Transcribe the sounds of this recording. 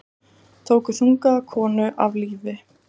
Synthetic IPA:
t̪ʰoːwkʏθuŋkakʰɔːnʏʔavliːvɪ

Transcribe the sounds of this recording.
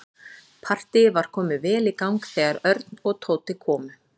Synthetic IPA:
pʰar̥t̪ɪvaɾ̥kʰɔːmɪvɛːlikawŋkθɛːɣaɾœɾt̪nɔɣt̪ʰoːwt̪ɪkʰɔːmʏ

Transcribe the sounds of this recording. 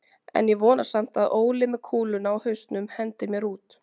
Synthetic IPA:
ɛ̰njɛvɔːnḁsam̥t̪aðoːwlɪmɛðkʰuːlʏnawhʏɥst̪nʏmhɛnt̪ɪmjɛɾuːt̪

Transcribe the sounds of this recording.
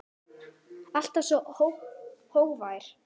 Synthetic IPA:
al̥t̪asɔhowhowɣvaːjɾ̥

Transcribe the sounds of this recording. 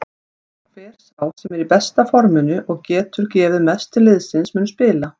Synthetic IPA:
fɛːɾ̥sawsɛmɛɾipɛst̪afɔɾmɪnʏʔɔɣcɛːt̪ʏɾcɛːvɪðmɛst̪ʰɪlːɪðsɪnsmʏːnʏ̥spɪːla

